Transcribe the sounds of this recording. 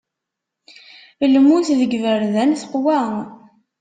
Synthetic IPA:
lmuθðəɡvəɾðænθə̥qwæ

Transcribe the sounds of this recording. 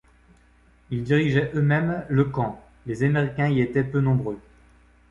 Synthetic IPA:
ild̪iʁiʒɛʔømɛmləkɑ̃ | lezameʁikʲɛ̃iet̪ɛpønɔ̃bʁø

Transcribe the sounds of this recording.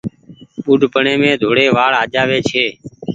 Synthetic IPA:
ɓuːɖʱpəɳẽːmẽːd̪ʱoːɽeːʋaːɭaːʄaːʋeːt͡ʃʰeː

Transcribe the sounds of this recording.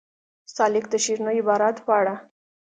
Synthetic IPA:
salik̚t̪əɕiɾnəibaɾat̪paɽa

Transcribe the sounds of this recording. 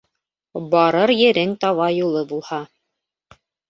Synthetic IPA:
bɑɾɤɾjɘ̆ɾɘŋt̪ɑβɑjulˠɤbulˠhɑ

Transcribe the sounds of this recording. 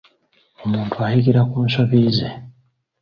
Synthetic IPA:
omuːntʰuahikiɾakuːnʃo̞βiːzḛ

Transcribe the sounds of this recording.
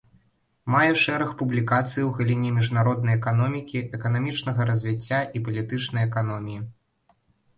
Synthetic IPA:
majɛʂɛɾɐxpublʲikat̪sɨjiwɣɐlʲinʲɛmʲiʐnaɾɔd̪̚nɐjɛkan̪ɔmʲikʲiʔɛkɐnamʲit͡ʂnɐɣɐɾɐzʲvʲit͡sʲːaʔipɐlʲit̪ɨt͡ʂnɐjɛkan̪ɔmʲiji

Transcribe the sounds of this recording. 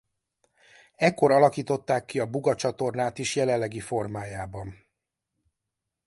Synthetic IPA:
ɛkːo̞ɾɒlɒkiːt̪o̞t̪ːaːkːiɒbuɡɒt͡ʃɒt̪o̞rnaːt̪iʃjɛlɛlːɛɡifo̞rmaːjaːbɒn

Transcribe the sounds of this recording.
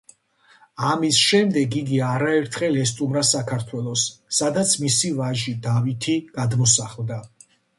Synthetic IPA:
amisʃɛmd̪ɛɡiɡiaɾaɛɾt̪ʰχɛlɛst̪ʼumɾasakʰaɾt̪ʰwɛlˠɔsːad̪at̪sʰmisivaʒid̪avit̪ʰiɡ̥ad̪mɔsaχlˠd̪a

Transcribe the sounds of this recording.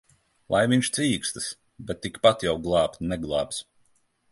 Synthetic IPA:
lˠajviɲʲʃt̪sʲiːkst̪ɨ̥s | bɛt̪ːikpat̪jawɡlˠɑːpt̪nɛɡlˠɑːps

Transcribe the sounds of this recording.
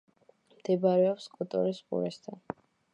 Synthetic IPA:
md̪̥ɛbaɾɛɔpskʼut̪ʼɔɾisqʼṵɾɛsd̪ʰan

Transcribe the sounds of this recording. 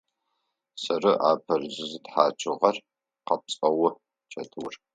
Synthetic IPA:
sɐrɨʔa̰ːpʰɐrzɨzɨtħaːt͡ʃʰʼɨʁɐr | qɐp̚t͡sʼɐwʊ | t͡ʃʰɐtʰɨwr

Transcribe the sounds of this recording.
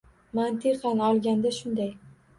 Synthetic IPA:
mant̪ʰɪqɑnɒlˠɡʲand̪aʃʊnd̪aj

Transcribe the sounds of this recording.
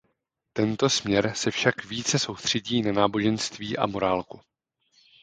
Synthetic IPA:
t̪ɛnt̪o̞smɲɛɾsɛfʃakviːt͡sɛso̞wst̪r̥ɛɟiːnanaːbo̞ʒɛnst̪viːʔa̰mo̞ɾaːlku

